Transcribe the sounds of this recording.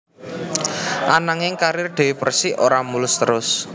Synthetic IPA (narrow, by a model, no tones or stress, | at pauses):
ʔanaŋɪŋkaɾɪrɖ̪̥e̤wipərsiʔoɾamulʊst̪əɾʊs